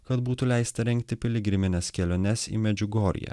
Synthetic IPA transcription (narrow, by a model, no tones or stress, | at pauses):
kɐt̪buːt̪ʊlʲæɪst̪ɐɾʲɛŋʲk̚t̪ʲɪpʲɪlʲɪɡʲɾʲɪmʲɪnʲɛskʲɛlʲonʲɛsḭːmʲɛd͡ʒʲʊɡɔːɾʲɪ̰jæ̰ː